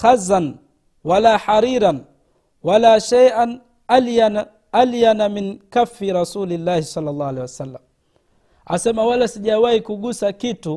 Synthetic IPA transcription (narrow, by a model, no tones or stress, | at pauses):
xazan | walaːħaɾiːɾan | walaːʃajʔan | aljan | aljanaminkafːiɾasuːlilːaːhisɑlːɑlˤːɑːhalewasalːam | asɛmawalasiʄawaikuɠusakitu